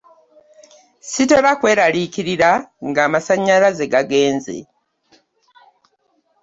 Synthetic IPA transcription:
site̞βakwe̞ːɾalikiɾiɾaŋɡaːmasaɲːalaze̞ɡaɡe̞ːnze̞̰

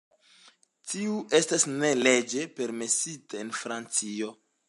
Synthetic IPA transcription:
tiue̞stasne̞le̞d͡ʒe̞pe̞ɾme̞sitaenfɾant͡sio̞

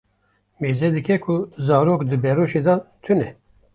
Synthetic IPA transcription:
meːzɛd̪ɨkɛkʰuzɑːɾoːkd̪ɨbɛɾoːʃeːd̪ɑt̪ʰunɛ

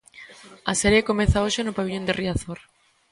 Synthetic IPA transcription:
ɐsɛɾjekomeθaoʃenʊpaβiʎond̪eriaθoɾ

